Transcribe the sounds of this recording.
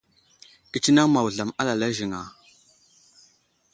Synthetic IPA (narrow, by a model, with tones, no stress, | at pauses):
ki˨t͡ʃi˦na˦ŋma˨wu˨ɮa˨ma˦la˨la˦ʒi˨ŋa˨